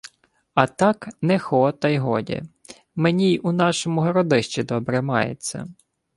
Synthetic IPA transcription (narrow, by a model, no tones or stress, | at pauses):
ɐt̪ɑknɛxɔt̪ɐjɦɔdʲḭ | menʲijunɑʃɔmʊɦɔɾɔd̪ɪʃt͡ʃid̪ɔbɾɛmɑ̰jḛt͡sʲːɐ̰